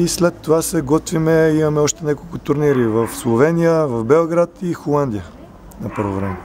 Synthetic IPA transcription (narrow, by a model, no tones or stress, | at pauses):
islɛt̪ːovasɛɡɔt̪vimɛimɐmɛɔʃt̪ɛnʲakolˠkʊt̪ʊɾniɾivɐfslˠovɛnijəvɐfbɛlˠɡɾat̪ixolˠand̪ijə | nɐpɤɾvovɾɛmɛ